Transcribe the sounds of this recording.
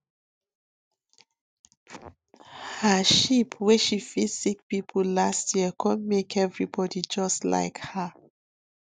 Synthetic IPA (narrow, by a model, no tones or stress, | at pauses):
haʃipʰwɛʃifisik̚pipʰəlastjiəkʰɔ̃nmekɛvɹibɔdid͡ʒɔstla̰ɪkha